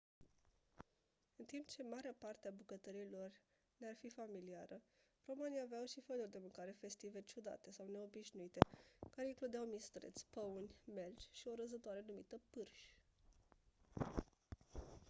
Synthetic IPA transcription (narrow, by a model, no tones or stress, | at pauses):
ɨnt̪impt͡ʃe̞maɾeapart̪eabukət̪əɾilo̞r | nearfifamiliaɾə | ro̞maniaveawʃifənurd̪e̞mɨŋkaɾe̞fe̞st̪ive̞t͡ʃud̪a̰t̪e̞sawne̞o̞biʃnuit̪e̞kaɾe̞iŋklud̪eawmist̪ɾḛt̪sʲpəunʲme̞lt͡ʃʲʃio̞ɾəzət̪oaɾe̞numḭt̪əpɨrʃʲ